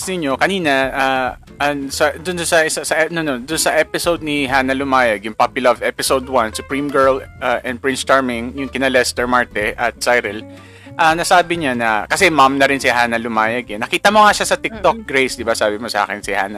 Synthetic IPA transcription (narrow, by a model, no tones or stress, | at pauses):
snɪɲo̞kɐniːnɐʔa | ʔɐnsɐd̪ʊnnsɐʔɪsasɐʔɛnonod̪ʊnsɐʔɛpɪsowd̪̚nɪɦaːnɐlʊmaːjɐɡjʊŋpapʊlɐvɛpɪsowd̪̚wɐnsʊpɹimɡɛɹlʔaʔɛ̃nd̪̚pɹɪ̃nt͡ʃst̪aɹmɪŋjʊŋkɪnɐlɛst̪ɛɹmaɹt̪ɛʔɐt̪̚sajɾɛl | ʔanɐsaːbɪɲanɐkɐsɛmamnɐɾɪnsɪɦaːnɐlʊmaːjɐɡɛnːɐkiːt̪ɐmoŋaʃasɐt̪ɪk̚t̪ok̚ɡɾejsd̪ɪbasaːbɪmosɐʔa̰ːkɪnsɪha̰ːnɐ